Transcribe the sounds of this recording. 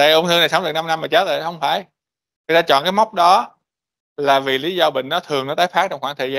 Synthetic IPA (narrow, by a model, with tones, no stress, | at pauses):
a̰ː˧˩ʔŋ͡mt̪ɨ˧na˨˩sə˨˦wŋ͡mɨ˨˩kna˧mna˧mːaː˨˩t͡ɕə˦˥t̪̚lə̰ː˧˨˩hə˧wŋ͡mfaː˧˩j | ŋɨ˨˩t̪aː˧t͡ɕɔ̰˧˨nkaː˨˦jma˦˥wk͡p̚ɗɔ˨˦ | laː˨˩vi˨˩li˨˦zɔ˧ɓḭ˧˨ŋ̟nɔ˨˦t̪ʰɨ˨˩əŋnɔ˨˦t̪aː˨˦˥faː˦˥t͡ɕɔ˧ŋ͡mxwaː˧˩ŋt̪ʰəː˨˩zaː˧